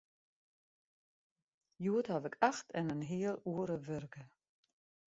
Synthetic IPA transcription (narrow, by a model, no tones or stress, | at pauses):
juəthavɪkʰaxtɛnənɦiəlˠuəɾəvørɡə